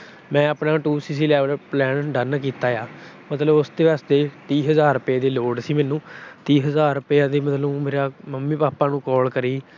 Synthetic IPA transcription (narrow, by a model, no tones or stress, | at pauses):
mɛ̃ːəpnaːʈuːsiːs̬iːlɛːʋəlplɛːnɖənkiːt̪aːjaː | mət̪ləbʊsd̪eːʋəst̪eːt̪iːɦəzaːɾʊpaːd̪eːloːɽsiːmɛːnũːt̪iːɦəzaːɾʊpejaːd̪eːmət̪ləumeːɾaːməmːiːpaːpaːnũːkɔːlkəɾiː